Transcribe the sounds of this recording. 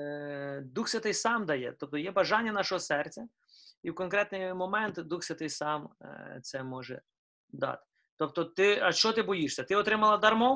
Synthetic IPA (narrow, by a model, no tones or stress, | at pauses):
d̪uxsʲɐt̪ɪsɑmd̪ɐjɛ̰t̪ɔp̚t̪ɔjɛbɐʒɑnʲːɐnɑʃɔɦɔsɛrt͡sʲɐ | iwkɔnkɾɛt̪nɪjmɔmɛnt̪d̪uxsʲɐt̪ɪsɑmt̪sɛmɔʒɛ̰ | d̪ɑ̰t̪ | t̪ɔp̚t̪ɔt̪ɪɐʃt͡ʃɔt̪ɪbɔjiʃsʲɐt̪ɪɔt̪ɾɪmɐlˠɐd̪ɐrmɔ